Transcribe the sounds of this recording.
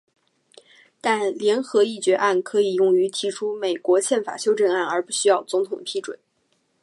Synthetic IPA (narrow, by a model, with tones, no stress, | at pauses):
t̪a˥˩nljɛ˧˥nxɤ˧˥i˥˩t͡ɕɥɛ˧˥ʔa˥˩nkʰɤ˧˥i˨˩jʊ˥˩ŋy˧˥t̪ʰi˧˥ʈ͡ʂʰu˥me˨˩ɪkwɔ˧˥ɕjɛ˥˩nfa̰˨˩ɕjo˥ʊʈ͡ʂə˥˧na˥˩nə˞˧˥pu˥˩ɕy˥jɑ˥˩ʊt͡sʊ˧˥ŋt̪ʰʊ˨˩ŋəpʰi˧˥ʈ͡ʂwə̰˨˩˦n